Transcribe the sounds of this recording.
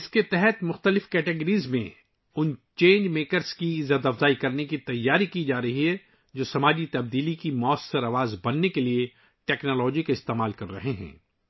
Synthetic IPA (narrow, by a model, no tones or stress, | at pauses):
ɪsket̪ɛɦɛt̪mʊxt̪əlɪfkɛːʈeɡəɾiːzmẽ | ʊnt͡ʃẽːnd͡ʒmeːkəɾzkiɪzəd̪ɐfzaːikɐɾnekit̪ɐjːaːɾikid͡ʒaːɾɐɦiɦɛ | d͡ʒoːsɐmaːd͡ʒit̪ɐb̚d̪iːlikimɔːsɐɾɐʋaːzbɐnːekelie | ʈɛːknɔːlɔːd͡ʒikaɪst̪eːmaːlkɐɾːɐ̰ɦeɦɛ̰̃ː